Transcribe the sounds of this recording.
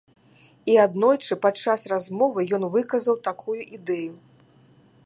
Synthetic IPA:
iad̪nɔjt͡ʂɨpat͡ʂːasrazmɔvɨjɔnvɨkɐzɐwt̪akʰujuʔid̪ɛju

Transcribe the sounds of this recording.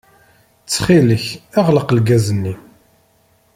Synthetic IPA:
t͡sːχiləçɑʁləqlɡæzənːi

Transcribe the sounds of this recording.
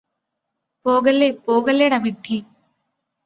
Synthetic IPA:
poːɣɐlːepoːɡɐlːeɽɐmiʈʰːi

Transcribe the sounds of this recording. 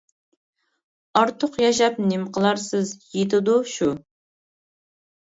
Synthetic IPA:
ɑɾt̪ʰʊqjɑʃ̬ɑp̚nɪmqʰəlˠɑɾsɪzjet̪ʰɪd̪uʃu

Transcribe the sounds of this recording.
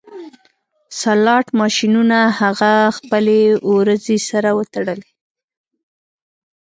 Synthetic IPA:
salɑʈmɑʃinunahaɣaxpəleoɾəzesaɾawət̪aɽəle

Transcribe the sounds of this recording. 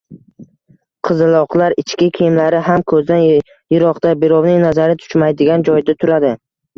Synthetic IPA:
qʰɨzɪlˠɒqlˠaɾɪt͡ʃkʲɪkʲʰejmlaɾɪɦamkʰɵzd̪an | jʊɾɒqt̪abɪɾɒwnɪŋnazaɾɪt̪ʰʊ̥t͡ʃmajd̪ɪɡʲand͡ʒɒjd̪at̪ʰʊɾad̪ɪ

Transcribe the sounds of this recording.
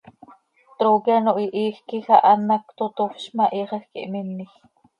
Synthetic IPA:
t̪ɾoɣjanoʔiʔiːxkixaʔɑnːakt̪ot̪ofʃmaʔiʁəxkḭʔminːix

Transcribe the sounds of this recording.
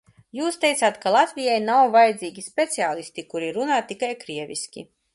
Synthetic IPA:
juːst̪ɛjt̪aːt̪kalˠat̪vʲijajnawvajd̪ziːɡʲispʲet̪siaːlˠist̪ikuɾiɾunaːt̪ikajkɾiɛvʲḭskʲḭ

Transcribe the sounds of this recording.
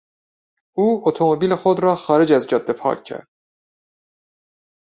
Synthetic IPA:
uːot̪ʰomobiːlexod̪ɾɒːxɒːɾed͡ʒæzd͡ʒɒd̪ːepʰɒ̰ːcʰːæ̰ɾd̪̥

